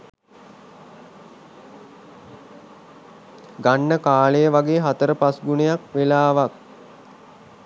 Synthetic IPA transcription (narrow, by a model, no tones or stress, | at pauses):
ɡanːəkaːlejəʋaɡeːɦat̪əɾəpasɡunejakʋelaːʋak